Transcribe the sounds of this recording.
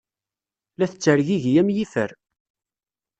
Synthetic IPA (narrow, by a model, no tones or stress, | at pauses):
læθət͡sːəɾʝiʝjæmjifəɾ